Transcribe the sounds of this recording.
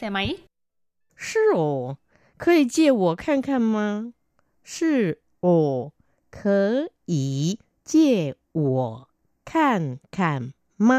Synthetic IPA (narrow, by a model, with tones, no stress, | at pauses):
se˧ma˧i˦ | ʂɻ̩˥˩o˨˩ | kʰɤ˧˥i˨˩t͡ɕjɛ˥˩wɔ˨˩kʰa˥˧nkʰa˥˩nma˧ | ʂɻ̩˥˩ | ɔ˨˩ | kʰɤ˧˦˥i˨˩˦ | t͡ɕjɛ˥˩ | wɔ˨˩˦ | kʰa˥˧nkʰa˥˩n | ma˧